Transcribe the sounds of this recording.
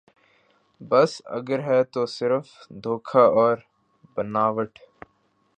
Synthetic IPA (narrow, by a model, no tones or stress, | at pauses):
bɐsɐ̰ɡəɾɦɛt̪osɪɾfd̪ʱoːkʰaʔɔːɾ | bɐnaːʋəʈʰ